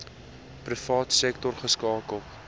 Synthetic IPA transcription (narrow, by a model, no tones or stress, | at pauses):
prifɑːtsɛktɔrχəskɑːkəlˠ